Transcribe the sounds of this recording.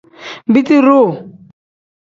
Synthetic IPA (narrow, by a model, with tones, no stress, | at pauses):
m˨bi˦ti˦ɾo˦˨